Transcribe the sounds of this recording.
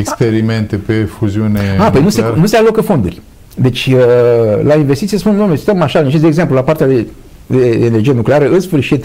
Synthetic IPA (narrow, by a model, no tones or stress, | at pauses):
ekspeɾime̞nt̪epefuziuneapojnusenuse̞alo̞kəfo̞nd̪ṵrʲ | d̪e̞t͡ʃʲəlainvest̪it̪iespunnomesi̥t̪əmaʃalnit͡ʃesd̪eɡze̞mplulapaɾrt̪ead̪e | d̪eːnerd͡ʒijenukle̞aɾəɨnsfɨrʃit̪